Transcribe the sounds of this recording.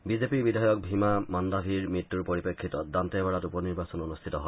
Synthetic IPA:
bizepiɹbidʱajɔk̚bʱimamɔndabʱiɹmɹitːuɹpoɹipekʰːitɔt̚dantɛbaɹatupɔniɹbasɔnonustʰitɔɦɔ

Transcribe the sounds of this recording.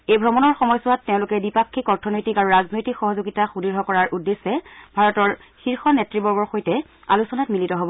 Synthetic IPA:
ejbʱɹɔmɔnɔɹxɔmɔjsɔwatːeʊ̃lʊkɛbipakʰːikɔɹtʰɔnojtikaɹuɹaznojtikxɔɦɔzoɡitaxudiɹɦɔkɔɹaɹʔudːesɛbʱaɹɔtɔɹ | xiɹxɔnɛtɹibɔɹɡɔɹxojtɛ | a̰lusɔnatmilitɔɦobɔ

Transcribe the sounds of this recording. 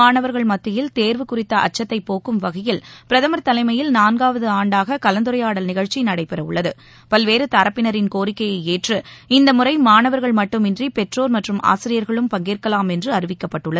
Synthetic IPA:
aːnɐʋɐɾɣɐɭmɐt̪ːɪjɪlt̪eːɾʋɯkʊrɪt̪ːɐʔɐ̰t͡ʃːɐt̪ːɐɪpːoːkɯmʋɐɣɐjɪlpɪɾɐðɐmɐɾt̪ɐlɐɪmɐjɪlnaːnɡaːʋɐðɯaːɳɖaːɣɐkɐlɐnd̪ɯɾɐjaːɽɐlnɪɣɐɻt͡ʃinɐɽɐɪpːɛɾɐʊ̰ɭːɐðɯ | pɐlʋeːɾɯt̪ɐɾɐpːɪnɐɾɪnkoːɾɪkːɐjɐɪeːʈrɯɪnd̪ɐmʊrɐɪmaːnɐʋɐɾɣɐɭmɐʈːɯmɪndripɛʈroːɾmɐʈrɯmʔa̰ːsɪɾɪjɐɾɣɐɭɯmpɐŋɡiːrkɐlaːmɛndrɯɐɾɯʋɪkːɐpːɐʈːɯɭːɐð

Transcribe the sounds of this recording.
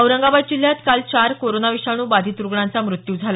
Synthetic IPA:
əwɾəŋɡabad̪̚d͡ʑil̤ːjat̪kalt͡ɕaɾkoɾonaʋiɕaɽ̃uːbad̪ʱiːt̪uɾɡɳãnt͡samɾut̪juːd͡zʱala

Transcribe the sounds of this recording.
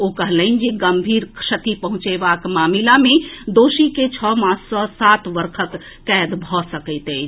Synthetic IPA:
okəɦləɪnd͡ʒeɡəmbʱiːɾkʂət̪ipəɦʊ̃t͡ʃebakmaːmilamẽd̪oːʃiket͡ʃʰɔmãːt͡ʃsɔsat̪ʋəɾkʰəkː | ɛd̪bʱɔsəkəɪt̪e

